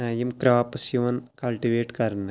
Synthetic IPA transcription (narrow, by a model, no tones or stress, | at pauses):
aːjimkɾaːpɐsjuʋɐnkɐlʈiʋeːʈkɐɾnɐ